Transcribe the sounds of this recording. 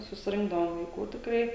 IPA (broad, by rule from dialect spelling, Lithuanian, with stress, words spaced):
sʊsʲɪˈrʲɪŋɡdɐʋoːm ʋɐɪˈkuː tʲɪkˈrɐɪ